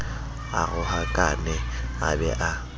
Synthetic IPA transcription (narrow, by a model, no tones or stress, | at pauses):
a̰ɣʊhakʼanɛabɛʔa